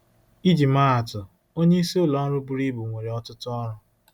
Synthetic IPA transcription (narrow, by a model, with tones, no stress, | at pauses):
i˦d͡ʒi˨ma˦a˨tʊ˨ | o˦ɲe˦i˦si˦o˦lɔ˦n̩˦ɾʊ˦bu˨ɾi˦bu˨ŋʷe˨ɾe˨ɔ˦tʊ˦tʊ˦ɔ˦ɾʊ˨